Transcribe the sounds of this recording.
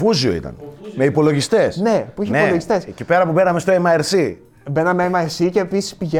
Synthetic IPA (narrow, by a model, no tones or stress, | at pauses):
fuzioḭt̪ɐ̰nme̞ipo̞lo̞ʝist̪e̞snepuiçiniepoloʝist̪e̞scipe̞ɾɐpube̞nɐmest̪oemɐeɾsi | be̞nɐmeemɐeɾsiceːpisi̥spiʝe